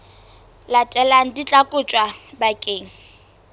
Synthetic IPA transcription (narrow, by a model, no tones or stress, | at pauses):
latʼɛlaŋ̩dit͡ɬʼakʼʊt͡ʃʼwabakʼeːŋ̩